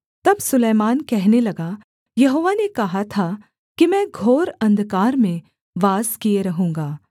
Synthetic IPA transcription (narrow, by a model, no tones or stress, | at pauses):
t̪ɐbsʊleːmaːnkɛɦnelɐɡa | jɐɦoːʋanekɐɦat̪ʰa | kimɛ̃ːɡʱoːɾɐ̃nd̪kaːɾmẽ | ʋaːzkijeɾɐɦũːŋ̆ɡaː